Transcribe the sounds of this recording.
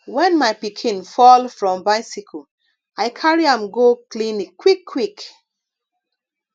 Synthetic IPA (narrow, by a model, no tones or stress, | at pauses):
wɛ̃nmajpikʰĩnfɔlfɹɔ̃mbaɪsikʰo | aɪkʰaɹiãmɡoklĩnikwikʰːwik